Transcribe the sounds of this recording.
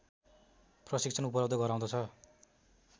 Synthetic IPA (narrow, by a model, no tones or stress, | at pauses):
prʌsikt͡sʰʌnupʌlʌb̚d̪ʱʌɡʌɾaw̃d̪ʌt͡sʰʌ